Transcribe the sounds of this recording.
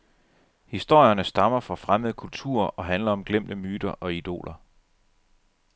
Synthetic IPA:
hisd̥o̝ɐ̰jɐnəsd̥ɑ̈mɐfɒ̽fʁaməðˠəkʰult͡sʰṵɐ̰ɒ̽ɦænlɐɒ̽mɡ̥lem̰d̥əmyːd̥ɐʔɒ̽id̥o̝̰ːlʔɐ

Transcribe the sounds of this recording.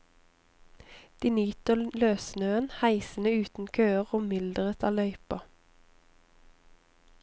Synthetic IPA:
d̪̥iːnyːt̪əløːsnøːənhæɪsən̩əʉːt̪n̩kʰøːəʁoːmɪld̪əʁət̪ʰɑːlœʏpɑ

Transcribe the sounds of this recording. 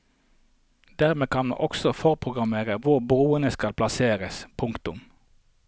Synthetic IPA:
d̪̥æːʁmeːkʰɑnmṵːʔɔksɔfɔʁpʰʁʊɡʁɑmeːʁəʋʊʁbʁuːənəskɑlpʰlɑseːʁəspʰʊŋkt̪ʊm

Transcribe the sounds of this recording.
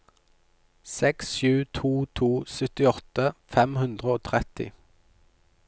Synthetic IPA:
sɛksʃʉːt̪ʰuːt̪ʰuːsœt̪ɪɔt̪əfɛmhʉnd̪ʁəoːt̪ʰʁɛt̪ɪ̰

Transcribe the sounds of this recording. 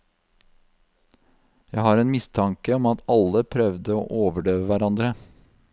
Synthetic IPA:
jæɪhɑːɾeːnmɪst̪ʰɑŋkəɔmɑt̪ʰɑləpʰɾœʋd̪əo̰ːʔoːʋəɖøːʋəʋæɾɑnd̪ɾə

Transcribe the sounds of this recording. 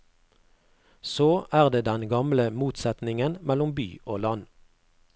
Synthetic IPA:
soːʔæːʁd̪eːd̪ɛnɡɑmləmuːt̪sɛt̪nɪŋənmɛlʊmby̰ːʔoːlɑn

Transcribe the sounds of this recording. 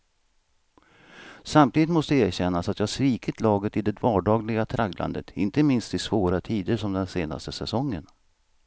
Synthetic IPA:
samt̪ʰiːd̪ɪt̪mɔst̪əeːɾɕɛnːasat̪jɑːhʂviːkɪt̪lɑːɡət̪ɪd̪ɛd̪vɑːɖɑːɡlɪɡat̪ʰɾaɡlʔa̰nd̪ə̰t̪ʰɪ̰nt̪əmɪnst̪ɪsvoːɾat̪ʰiːd̪əʂɔmd̪ɛnseːna̰st̪əsɛsɔŋːən

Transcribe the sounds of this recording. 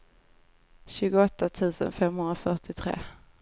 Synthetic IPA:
ɕʉ̟ːɡʊɔt̪ːat̪ʰʉ̟ːsə̰nfɛmhɵnɾafœʈɪt̪ʰɾḛː

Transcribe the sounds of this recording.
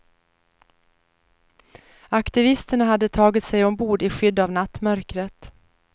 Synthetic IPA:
akt̪ɪvɪst̪əɳaɦad̪ːət̪ʰɑːɡɪt̪sɛjɔmbuːɖ̪ɪɧʏd̪ːavnat̪ːmœɾkɾət̪

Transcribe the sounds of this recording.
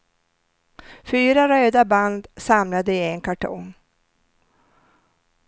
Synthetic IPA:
fyːɾaɾøːd̪aband̪samlad̪əɪɛŋkʰaʈʰɔ̰ŋ

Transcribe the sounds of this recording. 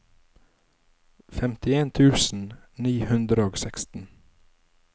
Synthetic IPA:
fɛmt̪ɪeːnt̪ʰʉːsn̩niːhʉnd̪ɾəoːɡsɛkst̪n̩

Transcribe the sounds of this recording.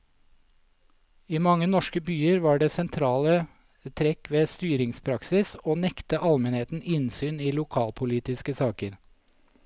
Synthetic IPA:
iːmɑŋənɔʃkəbyːəɾʋɑːɖeːsɛnt̪ʰɾɑːlə | t̪ʰɾɛkʋeːst̪yːɾɪŋspʰɾɑksɪsoːnɛkt̪əʔɑlmɛnheːt̪n̩ɪnsyːniːlʊkʰɑːlpʰʊliːt̪ɪskəsɑːkəɾ

